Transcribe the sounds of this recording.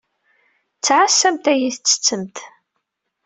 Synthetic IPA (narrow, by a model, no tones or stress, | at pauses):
t͡sːʕasːæmt̪æjiθt͡sːə̥t͡sːəmt̪